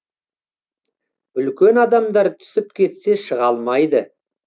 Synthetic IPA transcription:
ʏlkʲe̞nɑd̪ɑmd̪ɑɾt̪ʰʏ̥sɪp̚kʲʰe̞t̪se̞ʃəʁɑlˠmɑjd̪ə

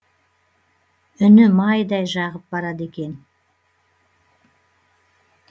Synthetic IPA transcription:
ʏnʏmɑjd̪ɑjʒɑʁəp̚bɑɾɑd̪e̞kʲe̞n

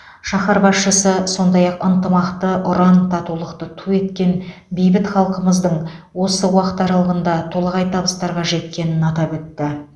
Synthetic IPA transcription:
ʃɑχɑɾbɑsʃəsəso̞nd̪ɑjɑqənt̪əmɑqt̪əʔʊɾɑnt̪ʰɑt̪ulˠəqt̪ət̪ʰue̞t̪kʲe̞n | bejbɪt̪χɑlˠqəməzd̪əɴwo̞səwɑqə̥t̪ɑɾɑlˠəʁənd̪ɑt̪ʰo̞lˠɑʁɑjt̪ʰɑbəst̪ɑɾʁɑʒe̞t̪̚kʲe̞nɪnɑt̪ɑpɵt̪ːɪ

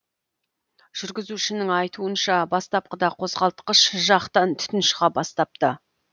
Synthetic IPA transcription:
ʒ̥ʏɾɡʲɪzuʃɪnɪŋɑjt̪uənʃɑbɑst̪ɑp̚qəd̪ɑqʰo̞zʁɑlˠt̪qəʃʒɑqt̪ɑnt̪ʰʏ̥t̪ɪnʃʁɑbɑst̪ɑp̚t̪ə

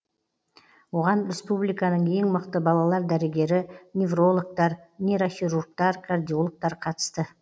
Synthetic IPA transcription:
wo̞ʁɑnɾʲe̞spublijkɑnəɴe̞ŋməqt̪əbɑlˠɑlˠɑɾd̪æɾɪɡʲe̞ɾɪnʲevro̞lˠok̚t̪ɑɾnʲeɾoxiɾurk̚t̪ɑɾkʰard̪ijolˠək̚t̪ɑɾqʰɑt̪ə̥st̪ə

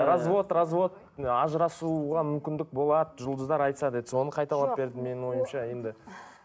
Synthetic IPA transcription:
ɾazvo̞t̪razvo̞t̪̚ | ɑʒɾɑsuʁɑmʏmkʲɪnd̪ɪk̚bo̞lˠɑd̪əʒʊlˠd̪əzd̪ɑɾɑjt̪sɑd̪ed̪ɪso̞nəqʰɑjt̪ɑlˠɑpbe̞ɾd̪ɪme̞nɪŋwo̞jəmʃɑje̞nd̪ɪ

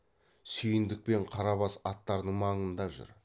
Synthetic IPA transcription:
sʏjɪnd̪ɪk̚pe̞ɴqʰɑɾɑβɑsɑt̪ːɑɾd̪əɴmɑɴənd̪ɑʒʊ̰ɾ

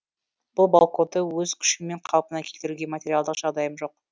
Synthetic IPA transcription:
b̥ʊlˠbalˠqot̪ːəwɵzkʲʰʏ̥ʃɪme̞ɴqʰɑlˠpənɑkʲʰe̞lt̪ɪɾuɡʲe̞matʲe̞ɾʲialˠd̪əqʒ̥ɑʁd̪ɑjəmʒo̞q

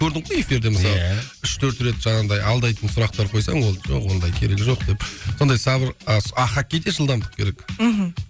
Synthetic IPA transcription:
kʲʰɵɾd̪ɪɴqʰoje̞fʲiɾd̪e̞məsɑlˠəʏʃt̪ʰɵɾt̪ɾe̞t̪ʒɑnɑnd̪ɑjɑlˠd̪ɑjt̪ənsʊɾɑq̚t̪ɑɾqʰo̞jsɑɴwo̞lˠʒoqwo̞nd̪ɑjkʲʰe̞ɾeɡʲɪʒo̞qd̪̥e̞pso̞nd̪ɑjsɑbɪɾəɑχakʲːejd̪e̞ʒəlˠd̪ɑmd̪ə̥q̚kʲʰe̞ɾe̞k

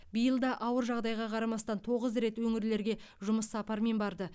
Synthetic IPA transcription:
bijəlˠd̪ɑʔɑwəɾʒɑʁd̪ɑjʁɑqʰɑɾɑmɑst̪ɑnt̪ʰo̞ʁəzɾe̞t̪wɵŋɪɾle̞ɾɡʲe̞ | ʒʊməsːɑpɑɾme̞nbɑɾd̪ə

